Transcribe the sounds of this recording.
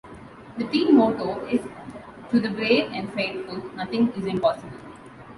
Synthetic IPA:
d̪ət̪ĩːnmoːʈoːɪz | ʈud̪əbɾeːɖɛ̃nɖfeːt̪fʊlnʌt̪ɪ̃ŋɪzɪ̃mpɔːsɪbəl

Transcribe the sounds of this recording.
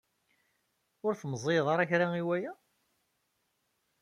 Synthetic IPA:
ʊɾθməzˤeðˤɑɾˤæçɾaiwæjæ

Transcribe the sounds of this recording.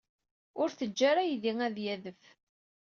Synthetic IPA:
ʊɾθəd͡ʒːaɾæjðiŋæðjæðəf

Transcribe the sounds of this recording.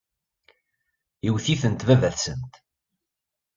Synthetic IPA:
iwθiθənt̪vævæθsənt̪

